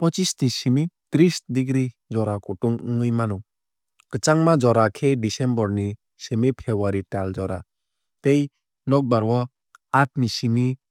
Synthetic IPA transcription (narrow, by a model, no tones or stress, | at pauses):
pɔt͡ʃistisimitɾisdiɡɾid͡ʒɔɾakɔtuŋɯŋɯjmanu | kɯt͡ʃaŋmad͡ʒɔɾakʰedisembɔɾni | semipʰebaɾitald͡ʒɔɾa | tej | nɔk̚baɾwɔ | at̚misini